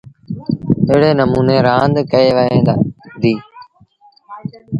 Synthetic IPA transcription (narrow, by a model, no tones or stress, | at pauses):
ɪɦɽeːnəmuːneːɾãːnd̪kəeːʋəɦẽːd̪ad̪iː